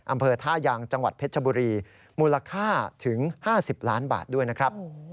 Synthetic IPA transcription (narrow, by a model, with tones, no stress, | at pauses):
ʔa˧mpʰɤː˧t̪ʰaː˥˩jaː˧ŋt͡ɕa˧ŋwa̰˨˩t̪̚pʰe˦˥t͡ɕʰa˧buː˧ɾiː˧ | muː˧laː˧kʰaː˥˩t̪ʰɯ˩˦ŋhaː˥˩si˨˩p̚laː˦˥nba̰ː˨˩t̪̚du˥˩əjna˦˥kʰɾa˦˥p̚